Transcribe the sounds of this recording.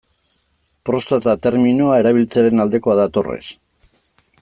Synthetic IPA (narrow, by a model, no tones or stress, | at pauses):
pɾo̞st̪at̪at̪e̞ɾminuae̞ɾaβ̞ilt͡seaɾe̞nald̪e̞ko̞aðat̪o̞rḛs